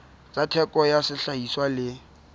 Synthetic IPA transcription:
t͡sʼatʰɛkʼɔjasɪɬaiswalɪ

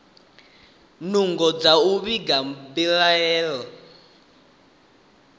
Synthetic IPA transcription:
nuŋɡɔd͡zauβiɡambilaɛːlɔ

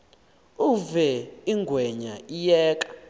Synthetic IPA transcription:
uvɛiŋɡʱwɛɲaijɛːkʼḁ

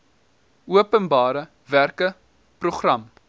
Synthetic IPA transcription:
uəpənbɑːɾə | værkə | pruχrɐm

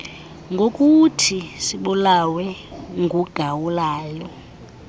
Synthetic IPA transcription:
ŋɡʱokʼutʰisiɓulawɛŋɡʱuɡ̥ʱawulaːjɔ

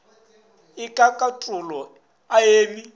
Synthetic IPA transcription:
ɪkʼakʼatʼʊlɔ | aeːmi

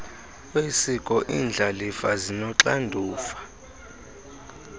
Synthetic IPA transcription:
wesikʼɔʔiːnd͡ɮʱalifazinɔǁandʱuːfḁ

